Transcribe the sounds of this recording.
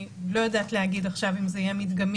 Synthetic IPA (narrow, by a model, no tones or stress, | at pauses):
lo̞jadaːt̪lehaɡid̪aχʃavimzeijemit̪ɡam